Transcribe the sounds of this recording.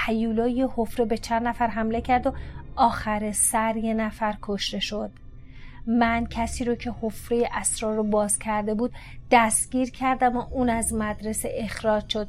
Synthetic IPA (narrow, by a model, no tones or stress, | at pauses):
hæjuːlɒːjehofɾebe̞t͡ʃʰænd̪næfæɾɦæmle̞cʰæɾd̪oɒːxæɾesæɾje̞næfæɾkʰoʃt̪e̞ʃo̞d̪̥ | mæncʰæsiːɾoːcʰe̞hofɾejeʔæsɾɒːɾːobɒːz̥cʰæɾd̪e̞buːd̪̥ | d̪̥æst̪ɡʲiːɾcʰæɾd̪æmoʔuːnæzmæd̪ɾe̞seʔexɾɒːd͡ʒʃo̞d̪̥̚